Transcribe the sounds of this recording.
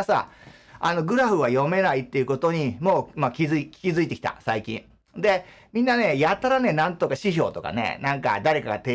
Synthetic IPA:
sa̰ | a̰no̞ɡɯ̟ɾaɸɯ̟βajo̞me̞nait̪ːe̞iɯ̟ko̞t̪o̞ɲ̟imo̞ːmakʲizɨikʲi̥kʲizɨit̪e̞kʲi̥t̪a̰saikʲḭ̃ɴ | d̪e̞ | mʲĩnːane̞jat̪ːaɾane̞nãnt̪okaɕiçʲo̞̰ːt̪o̞ka̰nḛnãŋka̰d̪aɾe̞kaɡat̪e

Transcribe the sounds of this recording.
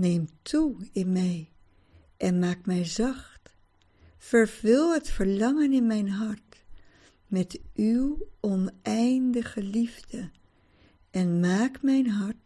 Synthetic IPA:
nejmtʰuɪnmɛj | ʔɛnmaːkmɛjzɑχt | fəɹvɪlˠɦətfəɹlɑŋənɪnmɛjnɦɑɹt | mɛtʔywɔnɛjndəχəlivdə | ʔɛnmaːkmɛjnɦɑɹt

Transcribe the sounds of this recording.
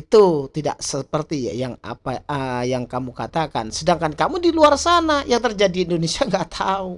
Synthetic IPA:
it̪ut̪ida̰ʔsəpərt̪ia̰jaŋa̰paəjaŋkamukat̪aka̰nsədaŋkankamudiluarsanajaŋt̪ərd͡ʒadiːndonesiaŋɡaʔt̪ʰau

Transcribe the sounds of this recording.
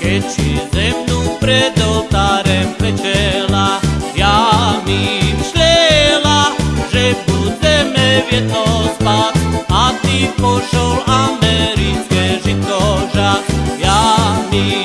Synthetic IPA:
kɛcsizɛmnupɾɛd̪ɔt̪aɾɛmpɛt͡ʃɛlajamimʃlɛlaʒɛbud̪ɛmɛvjɛt̪ɔzbat̪at̪ipɔʃɔlamɛɾit͡skɛʒik̪ɔʒajami

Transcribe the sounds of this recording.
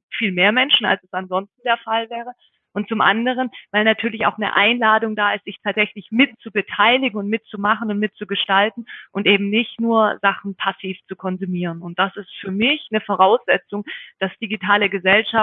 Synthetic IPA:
fiːlmeːɐmɛnʃn̩a̰lsɛsanzɔnstn̩deːɐfalvɛːʁ̞ə | ʔʊntt͡sʊmʔa̰ndəʁ̞ənvaɪlnatʰyːɐlɪça̰ʊxnə̰ʔa̰ɪnlaːdʊŋdaːɪstz̥ɪçtʰaːtz̥ɛçlɪçmɪtt͡subətʰaɪlɪɡŋ̩ʊntmɪtt͡sumaχən̩ʊntmɪt̚t͡suɡəʃtaltn̩ʔʊntʔeːbm̩nɪçtnuːɐzaχn̩pʰasiːft͡sukʰɔnzumiːʁ̞ənʊnt̚d̥asɪstfyːɐmɪçnəfoʁaʊsz̥ɛt͡sʊŋd̥asd̥iɡitʰaːləɡəzɛlʃa

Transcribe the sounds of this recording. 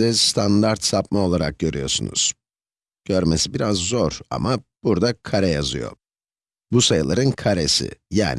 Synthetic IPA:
ɛst̪ʰand̪aɾt̪sap̚mao̞lˠaɾak̚ɟø̞ɾʔyjo̞̰ɾsunṵz̥ | ɟ̥øɾmesibiɾazːoɾa̰mab̥uɾd̪akʰaɾɛjazɯ̰jo̞̰ | busajɯlˠaɾɯnkʰaɾesɪ̰ja̰ːn

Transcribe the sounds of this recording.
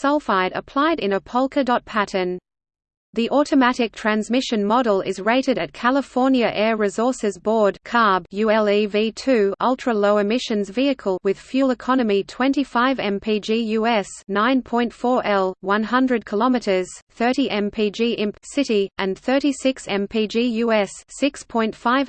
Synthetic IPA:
sʌlˠfaɪɾə̰pʰl̥aɪɾɨ̃nəpʰʌlˠkʰədɒt̚pʰæɾən | ðiʔɔˑɾəmæɾɪk̚tʰɹ̥æ̃nzmɪʃɨ̃nmɑɾl̩ˠɪ̰zɹeɪɾɨɾɨt̚kʰælˠəfɔɹnjɨʔɛɹɹɪzɔɹsɨzbɔːd̚kʰɑɹbjʉɛlˠivitʰʉʌlˠtʰɹ̥əloʊɨmɪʃɨ̃nzviɨkʰəlˠwɪð̥fjʉlˠəkʰɑnəmitʰw̥ɛ̃ntifaɪvɛ̃mpʰid͡ʒijʉːɛsnãɪ̃npʰɔ̃ɪ̃ntfɔːɹʔɛlˠwʌ̃nɦʌ̃ndɹəd̚kʰəlɑmɨɾə˞z̥θɜˑ˞ɾiʔɛ̃mpʰid͡ʒiːʔɪ̃msɪɾiʔə̃nθɜˑ˞ɾisɪksɛ̃mpʰid͡ʒijʉːɛsːɪkspʰɔ̃ɪ̃ntfaɪv

